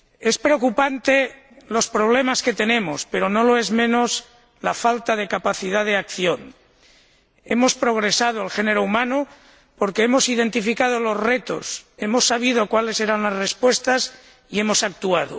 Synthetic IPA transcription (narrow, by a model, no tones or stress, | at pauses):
espɾeokupant̪e | lo̞spɾoβ̞lemasket̪enẽ̞mospeɾonoloezmẽ̞nos | lafalt̪að̞e̞kapaθið̞að̞eakθjon | e̞mo̞spɾo̞ɣɾesað̞oalxeneɾoumano | po̞ɾkeemosiðe̞nt̪ifikað̞olozre̞t̪o̞̰se̞mosːaβ̞iðokwale̞se̞ɾanlazrespwe̞st̪as | ie̞mo̞sak̚t̪uað̞o̰